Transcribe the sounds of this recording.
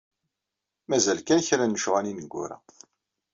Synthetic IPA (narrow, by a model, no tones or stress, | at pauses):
mæzælkænçɾænːəʃʁæninəɡʷːʊ̰ɾæ̰